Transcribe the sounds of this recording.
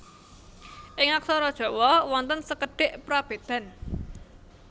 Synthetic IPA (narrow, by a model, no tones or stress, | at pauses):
ʔɪŋak̚sɔɾɔd̥ʒ̥ɔ̤wɔwɔnt̪ənsəkəɖ̥eʔpɾab̥e̤d̪̥a̤n